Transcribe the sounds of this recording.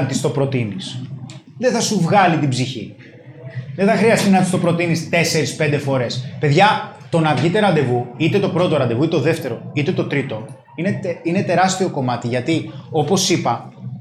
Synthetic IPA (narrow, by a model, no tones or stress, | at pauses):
t̪ist̪opɾo̞t̪inisðeθɐsuvɣɐlit̪ibziçḭ | ðeθɐxɾiɐst̪inɐt̪ist̪o̞pɾo̞t̪inist̪e̞se̞ɾispe̞nd̪e̞fo̞ɾe̞spe̞ðʝɐt̪o̞nɐvʝit̪e̞ɾɐnd̪e̞vuit̪e̞t̪o̞pɾo̞t̪oɾɐnd̪e̞vuit̪et̪oðe̞ft̪e̞ɾo̞it̪e̞t̪o̞t̪ɾit̪o̞ | ineine̞t̪e̞ɾɐst̪io̞ko̞mɐt̪iʝɐt̪io̞po̞sipɐ